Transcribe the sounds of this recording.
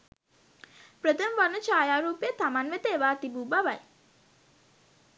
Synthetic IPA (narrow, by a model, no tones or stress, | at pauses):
pɾət̪əmʋanət͡ʃaːjaːɾuːpejət̪amanʋet̪eːʋaːt̪ibuːbaʋaj